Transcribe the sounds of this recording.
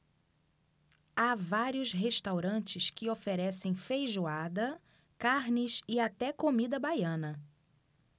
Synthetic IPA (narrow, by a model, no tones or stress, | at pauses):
avaɾiʊsɦeʃt̪awɾɐ̃nt͡ʃɪskɪofeɾɛsẽj̃fejʒuad̪ɐ | kaɾnɪsɪat̪ɛkomid̪ɐbajɐ̃nɐ